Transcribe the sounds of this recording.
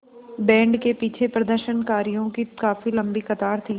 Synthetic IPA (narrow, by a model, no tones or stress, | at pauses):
bɛ̃ːɳɖkepiːt͡ʃʰepɾɐd̪əɾʃənkaːɾijõkikaːfilɐ̃mbixɐt̪aːɾt̪ʰiː